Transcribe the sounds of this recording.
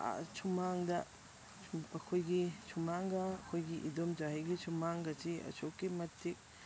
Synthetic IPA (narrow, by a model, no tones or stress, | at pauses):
t͡ʃʰumaŋdɐ | ɐkʰojɡit͡ʃʰumaŋɡɐːkʰojɡiʔḭdomd͡ʒaɦɐjɡit͡ʃʰumaŋɡɐt͡ʃʰiɐ̰t͡ʃʰokːimɐtʰːik̚